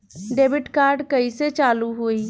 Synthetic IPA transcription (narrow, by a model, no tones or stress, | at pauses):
ɖeːbɪʈkaːɾɖkəiset͡ʃaːluɦoːiː